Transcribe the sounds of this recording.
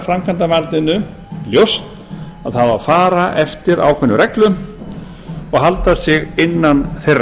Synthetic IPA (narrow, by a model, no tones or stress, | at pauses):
fɾamkʰant̪avalt̪nɪnʏ | ljowst̪ | aðθaðafaːɾaʔɛft̪ɪɾa̰wkʰɛnːʏɾɛklʏ | ɔɣɦalt̪asɪɣɪnːanθer